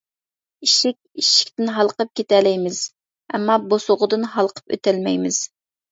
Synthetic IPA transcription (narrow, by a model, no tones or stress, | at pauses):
iʃikʲiʃi̥k̚ʲt̪ɪnɦɑlˠqəp̚kʲet̪ɛlɛjmɪz̥ | ɛmːɑbosʊʁʊd̪ɨnɦɑlˠqʰə̥pø̰t̪ʰɛlmɛjmɪz̥